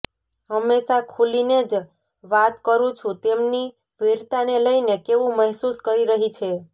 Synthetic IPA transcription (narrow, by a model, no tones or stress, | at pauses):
ɦəmːeʃakʰulined͡ʒ | ʋat̪kəɾũt͡ʃʰũt̪emni | ʋiɾt̪aneləinekeʋũməɦsuskəɾiɾəɦit͡ʃʰe